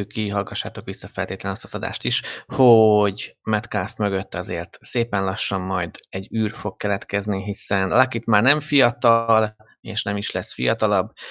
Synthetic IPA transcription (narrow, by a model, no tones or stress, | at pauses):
øːkːiɦɒlɡɒʃːaːt̪o̞kʋisːɒfɛ̰lt̪eːt̪lɛnst̪ɒzɒd̪a̰ːʃt̪iʃhoɟmɛt̪kaːfmø̞ɡø̞t̪ːɒzḛːrt̪seːpɛnlɒʃːɒmːɒjd̪ɛɟːyːrfo̞k̚kːɛlɛt̪kɛzniɦisɛnlakit̪maːrnɛɱfijɒt̪ɒl | ḛːʃnɛmiʃlɛsfḭjɒt̪ɒlɒb